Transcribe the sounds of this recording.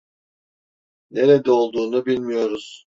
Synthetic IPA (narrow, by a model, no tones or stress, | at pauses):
ne̞ɾed̪ɛo̞lˠd̪uːnubilʲmijo̞ɾuz̥